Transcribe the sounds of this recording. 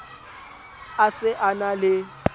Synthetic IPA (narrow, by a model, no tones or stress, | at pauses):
asɪʔanalɪ